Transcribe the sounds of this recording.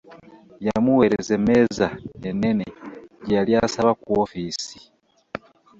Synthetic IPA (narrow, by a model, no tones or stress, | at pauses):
jamuwe̞ɾeze̞mezaene̞neɟaliasaβakwofiːsi̥